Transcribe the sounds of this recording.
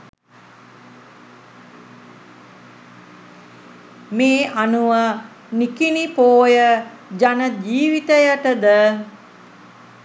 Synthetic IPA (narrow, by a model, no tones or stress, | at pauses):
meːʔanuʋa | nikinipoːjə | d͡ʒanəd͡ʒiːʋit̪əjəʈəd̪ə